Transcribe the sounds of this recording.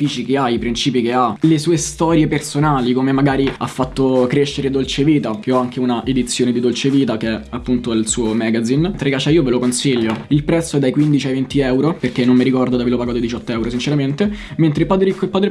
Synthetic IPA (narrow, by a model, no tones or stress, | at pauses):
iːt͡ʃikeaipɾint͡ʃiːpikealesuːest̪ɔːɾjepersonaːlikomemːaɡaːɾia̰fːat̪ːokɾeʃːeɾed̪olt͡ʃeviːt̪akeɔaŋk̟eunaʔed̪it̪sːjoːned̪id̪olt͡ʃeviːt̪akeɛapːunt̪oɛlsuːomɛːɡazint̪ɾeɡat͡ʃɛiːovelokonsiʎːoilpɾɛt̪sːoɛd̪ːaikwind̪it͡ʃiajvent̪iɛwɾoperk̟enːomːiɾikɔrd̪ad̪avelɔpːaɡat̪od̪it͡ʃɔt̪ːoɛwɾosint͡ʃeɾament̪e | ment̪ɾepaːd̪ɾɾikːoilpaːd̪ɾe